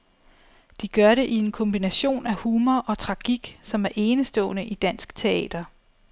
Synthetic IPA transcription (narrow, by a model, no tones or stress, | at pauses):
d̥iɡ̥ɶɐɾe̝ʔie̝nkʰɔ̽mb̥inæɕo̝̰ːnæhuːmɐʔɒ̽t͡sʰʁɑ̈ɡ̥iɡ̥sɒ̽mæɐʔe̝ːnəsd̥ɔ̰̽ːnəʔid̥æn̰sɡ̥t͡sʰe̝ɛ̰ːd̥ɐ